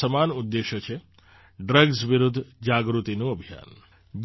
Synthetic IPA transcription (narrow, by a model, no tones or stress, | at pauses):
əmanud̪ːeʃət͡ʃʰe | ɖɾəɡsʋiɾud̪ʱːd͡ʒaɡɾut̪inuəbʱija̰n | d͡ʒ